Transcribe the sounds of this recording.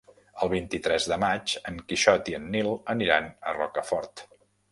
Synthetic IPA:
əlˠβ̞int̪it̪ɾɛzðəmat͡ʃəŋkiʃɔt̪iənːilˠəniɾanərɔ̰kəfɔɾt̪

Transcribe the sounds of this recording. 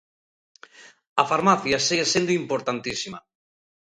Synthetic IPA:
afaɾmaθjasiɣesẽnd̪oimpoɾt̪ant̪isima

